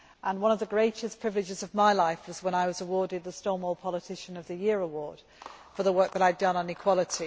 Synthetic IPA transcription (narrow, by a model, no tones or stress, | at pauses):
ʔə̃nwʌ̃ñəvðəɡɹeɪtɪspʰɹ̥ɪvlɪd͡ʒɪzəvmaɪlaɪfwɒzwə̃ñaɪwʌzəwɔɹdɪd̪̚ðəstɔːmɔlˠpʰɒlɪtʰɪʃə̃nəvðɨjɪəɹəwɔːd̥fəðəwɜˑ˞k̚ðəɾaɪdʌ̃nə̃nɪkʰw̥ɒlˠɪtʰi